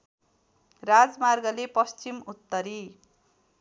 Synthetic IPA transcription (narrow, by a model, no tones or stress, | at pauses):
rad͡zmarɡʌlepʌst͡ɕimut̪ːʌɾi